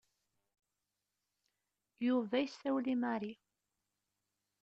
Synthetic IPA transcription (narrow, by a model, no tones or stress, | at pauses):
juvæjsːæwlimæɾi